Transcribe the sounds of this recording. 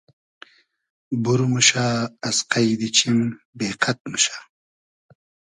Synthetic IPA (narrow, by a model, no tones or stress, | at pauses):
buɾumuɕaːsqajd̪it͡ɕʰim | beːqʰɐt̪̚muɕḁː